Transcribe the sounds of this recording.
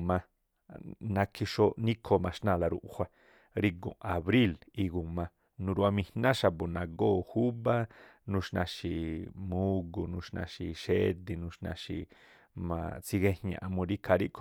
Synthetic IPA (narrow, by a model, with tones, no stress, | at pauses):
mã˧ | nã˧kʰi˧ʃo˦nĩ˦kʰo˧mã˧ʃnã˧la˧ɾṵ˧˨ʔhʷa˦ | ɾi˧ɡõ̰˨a˨βɾi˦li˧ɡu˨mã˧ | nũ˧ɾu˧a˧mĩ˧hnã˦ʃa˧bo˨nã˧ɡo˦hu˦βa˦nũ˧ʃnã̰˧ʃi˧mũ˦ɡu˧nũ˧ʃnã̰˧ʃi˧ʃe˦d̪i˧nũ˧ʃnã̰˧ʃi˧ | mã̰˧˨t͡si˧ɡe˦˧hɲã̰˧ʔa˧mũ˧ɾi˦kʰa˧ɾi˦ʔkʰ